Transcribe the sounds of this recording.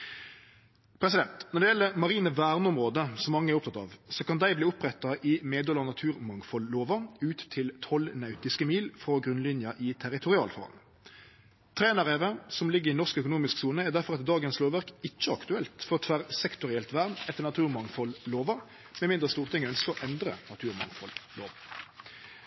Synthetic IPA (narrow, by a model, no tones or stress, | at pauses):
pʰʁɛsɪd̪ɛnt̪nɔʁɖ̪ɛjɛlːəmɑʁiːnəʋæʁnʊmʁoːd̪əsɔmːɑŋːəæɾʊp̚t̪ʰɑt̪ɑ̰ːʋsɔkɑnd̪æɪbliːʊpʁɛt̪ːɑʔɪmeːd̪ɔlɑnɑt̪ʰʉːʁmɑŋfɔlːoːʋɑʉːt̪t̪ʰːɪlt̪ʰɔlnɑʉt̪ɪskəmiːlfʁɔɡʁʉnlɪnjɑʔɪt̪ʰæʁɪt̪ʰʊʁɪɑ̰ːlfɔ̰ʁɑ̰n | t̪ʰʁeːnɑʁɛʋəsɔmlɪɡːəʁɪnɔʁskœkʊnuːmɪsksuːnəæʁd̪æʁfɔʁɑt̪d̪ɑːɡənsloːʋæʁkɪt͡ʃːəɑkt̪ʉɛlt̪fɔʁt̪ʰʋæʁsɛkt̪ʊʁɪɛlt̪ʋæʁnɛt̪ːəʁnɑt̪ʰʉːʁmɑŋfɔlloːʋɑ | mɛmɪnd̪ʁəst̪uːʁt̪ʰɪŋœnskəɔʔɛnd̪ʁə̰nɑt̪ʰʉːʁmɑ̰ŋfɔ̰llo̰ːʋ